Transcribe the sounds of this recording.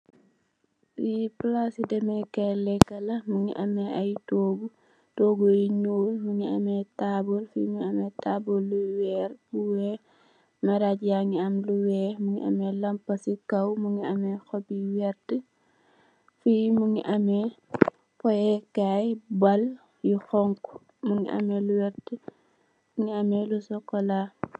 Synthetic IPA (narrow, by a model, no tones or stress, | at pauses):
iplasidɛmɛkɛlɛkːɐlɐmuŋḭʔɐmɛʔɐjtoːɡu | toːɡoiɲoːlmuŋiɐmɛtabolfimuɐmɛtaːbolːuwɛɾbuwɛ | mɛɾad͡ʒjaŋiɐmluwɛːmuŋḭʔɐ̰mɛlɐmpɐsikɐwmuŋiɐmɛxɔbiwɛɾtə | fimuŋḭʔɐmɛ | pɔjɛkajbɐl | juxɔŋkɔ̥ | muŋiʔɐ̰mɛluwɛɾtə | muŋiɐmɛlusɔkːɔla